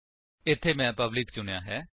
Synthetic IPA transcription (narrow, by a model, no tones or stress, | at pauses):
ɪt̪ʰːeːmɛ̃ːpəblɪkt͡ʃʊnejaːɦɛː